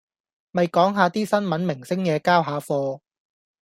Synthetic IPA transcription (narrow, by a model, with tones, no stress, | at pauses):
mɐ˨jkɔː˨˥ŋɦaː˨˧t̪iː˥sɐ˥nmɐ˨˥nmɪ˨˩ŋsɪ˥ŋjɛː˨˧kaː˥wɦaː˨˧fɔː˧